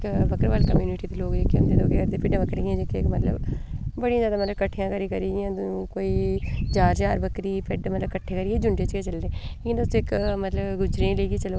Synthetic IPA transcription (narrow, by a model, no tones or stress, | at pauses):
kbəkəɾʋaːlkəmjuːniʈiːeːloːɡd͡ʒekʰːeõnd̪eːd̪oːɡeːɡəɾd̪eːpɪɖãːʋəkːəɾiãːd͡ʒekːeːkmət̪lə̰bbəɽijãzjaːd̪aːmət̪ləbkəʈʰːijãːkəɾiːkəɾiːjãːkoːiːd͡ʒaːɾt͡ʃaːɾbəkɾiːpɪɖmət̪ləbkəʈʰːeːkəɾiːeːd͡ʒʊɳʈeːt͡ʃket͡ʃəlɾeːikːnd̪et̪ːʊsːɪkmət̪ləbɡʊd͡ʒɾẽːləiːɡiːt͡ʃəloː